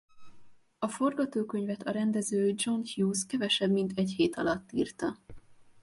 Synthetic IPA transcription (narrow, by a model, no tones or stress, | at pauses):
ɒfo̞rɡɒt̪oːkø̞ɲvɛt̪ɒɾɛnd̪ɛzøːd͡ʒo̞nhjuːskɛvɛʃɛbmint̪ɛcheːt̪ɒlɒt̪ːiːrt̪ɒ